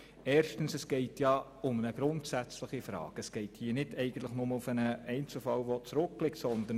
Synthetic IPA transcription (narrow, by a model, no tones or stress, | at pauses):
ɛːɾʃtən̩sɛsɡ̥ɛɪtjɑ | ʊmənəɡ̥ɾʊntsæt͡sləχifɾɑ̰ːɡ̥əsɡ̥ɛɪthiːənɪdɛɪɡən̩tləχnʊməʊfənəɛɪnt͡sl̩fɑlʋot͡sɾʊk̚plɪktsɔnd̪ə